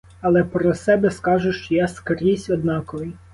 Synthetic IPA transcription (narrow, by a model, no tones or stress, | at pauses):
ɐlˠɛpɾɔsɛbɛskɑʒʊʃt͡ʃɔjaskɾʲisʲɔd̪nɑkɔʋɪ